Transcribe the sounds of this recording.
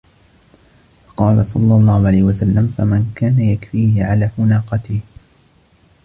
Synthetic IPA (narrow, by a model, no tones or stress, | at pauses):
fɑ̥qɑːlasˤɑ̰lːɑlˤːɑːhʊʕalajhɪwasalːamfamankaːnajakfiːhɪʕalaːmʊnaːqɑt̪ɪh